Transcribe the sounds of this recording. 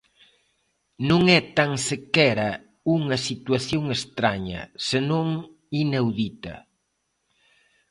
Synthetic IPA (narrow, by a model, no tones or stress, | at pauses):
nõŋɛt̪aŋsekɛɾɐ | uŋɐsit̪wɐθjoŋest̪ɾaɲɐ̰senõŋ | inawðit̪ɐ̰